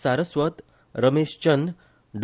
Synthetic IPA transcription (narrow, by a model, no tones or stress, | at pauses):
saɾəsʋət̪ | ɾəmeʂt͡ɕən | ɖ